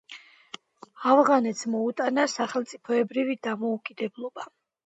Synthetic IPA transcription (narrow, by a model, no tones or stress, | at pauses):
avʁanɛt̪smɔut̪ʼanasaχɛlˠt̪sʼipʰɔɛbɾivid̪amɔukʼid̪ɛblˠɔba